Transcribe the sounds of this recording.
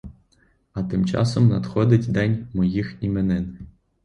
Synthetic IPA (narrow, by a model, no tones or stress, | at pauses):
at̪ɨmt͡ʃɑ̰sɔmna̰t̪xɔd̪ʲɪtʲd̪ɑnʲmɔjiximɛnɛn